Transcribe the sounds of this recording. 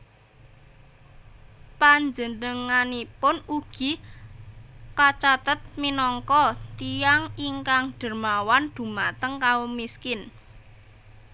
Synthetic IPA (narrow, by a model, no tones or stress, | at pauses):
paɲd͡ʒənəŋanipʊnuɡ̥i̤ | kat͡ʃat̪ət̪̚minɔŋkɔt̪ijaŋiŋkaŋɖ̥ə̤rmawand̪̥ṳmat̪əŋkaomiskɪn